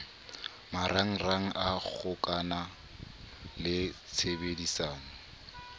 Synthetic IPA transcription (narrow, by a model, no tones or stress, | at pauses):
maɾaŋ̩raŋ̩ʔak͡xʰʊkʼana | lɪ | t͡sʰebedisaːŋ̩